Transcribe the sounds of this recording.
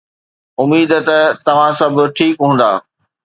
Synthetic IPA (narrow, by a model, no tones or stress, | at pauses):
ʊmiːd̪t̪ɐt̪ɐʋ̤ãsɐbʱʊ̆ʈʰiːkɦũːn̆d̪a̰ː